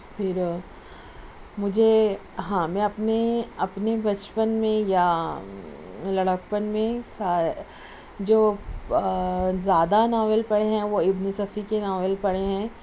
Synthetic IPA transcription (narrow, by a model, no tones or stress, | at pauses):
pʰɪɾ | mʊd͡ʒʱe | ɦãːmɛ̃ɐpneɐpnebɐt͡ʃpənmẽja | lɐɽək̚pənmẽsaː | d͡ʒoː | zjaːd̪anaːʋəlpɐɽeɦɛ̃ʋoɪbnəsɐfʰikenaːʋəlpɐɽeɦɛ̃ː